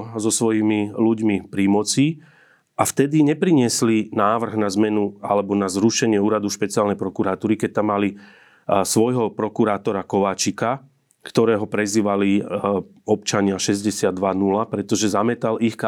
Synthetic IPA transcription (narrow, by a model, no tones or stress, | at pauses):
zɔsʋɔjimiluɟmipɾimɔt͡si | ʔaft̪ɛd̪iɲɛpɾiɲɪɛslinaːʋr̩ɣnazmɛnualɛbɔnazɾuʃɛɲɪɛuːɾad̪uʃpɛt͡siɪaːlnɛjpɾɔkuɾaːt̪uːɾikɛc̚t̪amːali | sʋɔjɦɔpɾɔkuɾaːt̪ɔɾakɔʋaːt͡ʃika | kt̪ɔɾɛːɦɔpɾɛziːʋali | ɔp̚t͡ʃaɲɪaʃɛzɟɛsɪad̪ʋanulapɾɛt̪ɔʒɛzamɛt̪alixk